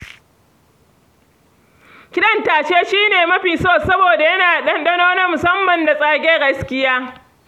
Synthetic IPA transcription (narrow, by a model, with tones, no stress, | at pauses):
kʲɪ˦ɗɐ˦ntaː˨ʃe˦ʃiː˦neː˨mɐ˦ɸiː˨soː˦˨sɐ˦boː˨da˨jɐ˦naː˨ɗɐ˦nɗɐ˦noː˦nɐ˦mʊ˨sɐ˦mːɐ˨nda˨sʼaː˦ɡʲeː˦ɡɐ˦skʲɪ˦jaː˦